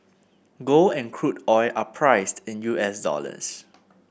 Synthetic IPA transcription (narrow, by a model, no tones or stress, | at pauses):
ɡoɛ̃nkʰɹutɔɪʔapʰɹaɪstɪ̃njuʔɛsdɔ̰lə̰s